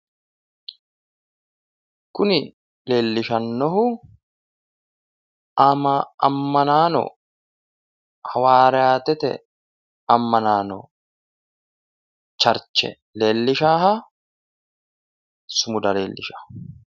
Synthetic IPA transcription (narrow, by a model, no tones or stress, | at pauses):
kʊnɪ | le̞ːlːɪʃɐnːɔɦʊ | ɐmɐɐ̰mːɐnaːnɔ̰ | hɐwaːɾɛaːt̪ɛt̪ɛ̰ | ɐmːɐnaːnɔ̰ | t͡ʃɐɾt͡ʃːɛ̰ | leːlːɪʃaːɦɐ | sʊmʊd̪ɐleːlːɪʃɐ̥